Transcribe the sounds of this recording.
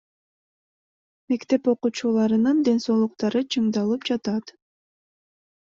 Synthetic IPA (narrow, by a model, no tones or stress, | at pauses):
me̞kt̪e̞po̞qut͡ʃulˠɑɾɯnɯnd̪e̞nso̞ːlˠuq̚t̪ɑɾɯt͡ʃʰɯɴd̪ɑlˠɯpd͡ʒɑt̪ɑt̪